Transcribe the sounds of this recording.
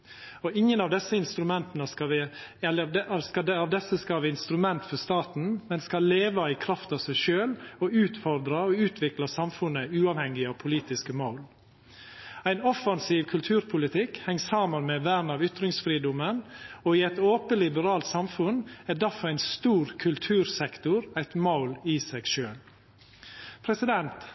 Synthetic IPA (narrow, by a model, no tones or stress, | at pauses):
ɔɪŋːənɑʋd̪ɛsːəɪnst̪ɾʉmɛnt̪nəskɑʋɛlːəskɑɑʋd̪ɛsːəskɑʋɪɪnst̪ɾʉmɛnt̪fɔɾst̪ɑːt̪n̩mɛnskɑlːeːʋɑɪkʰɾɑft̪ɑʋsæɪʃøːlɔʉːt̪fɔɾd̪ɾəɔʉːt̪ʰʋɪklɑsɑmfʉnːəʉːɑːʋhɛŋːɪɑpʰʊliːt̪ɪskəmoʊl | æɪnɔfɑnsiːʋkʰʉlt̪ʰʉːɾpʰʊlɪt̪ʰɪkhɛŋːsɑːmənmɛʋæːɾnɑʋʏt̪ɾɪŋsfɾiːd̪ʊmənɔɪɛt̪oːpəlɪbəɾɑːlt̪sɑmfʉnæd̪æɾfɔɾæɪnst̪uːɾkʰʉlt̪ʰʉːɾsɛkt̪ʊɾæɪt̪maʊlɪsæɡʃøːl | pʰɾɛsɪd̪ɛnt̪